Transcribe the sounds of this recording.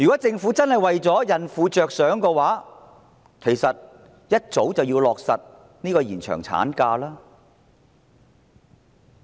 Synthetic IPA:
jyː˨˩kɔː˨˥t͡sɪ˧ŋfuː˨˥t͡sɐ˥nhɐ˨jwɐ˨jt͡sɔː˨˥jɐ˨nfuː˨˧t͡ʃœː˨k̚sœː˨˥ŋkɔː˧waː˨˥ | kʰe˨˩jsɐ˨t̚ | jɐ˥t̚t͡so˨˥wt͡sɐ˨wjiː˧wlɔː˨k̚sɐ˨t̚ | niː˥kɔː˧jiː˨˩nt͡ʃʰœ̰ː˨˩ŋt͡sʰa̰ː˨˥nkaː˧laː˥

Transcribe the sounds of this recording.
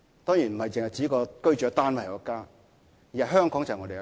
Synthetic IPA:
t̪ɔː˥ŋjiː˨˩nm̩˨˩hɐ˨jt͡sɪ˨ŋhjt͡siː˨˥kɔː˧kɵ˥ɥt͡ʃœː˨˥t̪aː˥nwɐ˨˩jkɔ˨˧kːaː˥ | ji˨˩ɐ˨ɦœː˥ŋkɔː˨˥ŋt͡sɐ˨ŋɔ˧ɾe˨j

